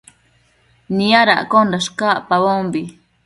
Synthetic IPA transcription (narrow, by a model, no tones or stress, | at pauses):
niaɾa̰ʔkondaʃkaʔpaβombi